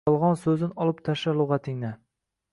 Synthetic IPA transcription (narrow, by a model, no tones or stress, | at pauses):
ɒlˠʁɒnsɵzɪnɒlˠɪpt̪ʰaʃalˠːʊʁɑt̪ʰɪŋna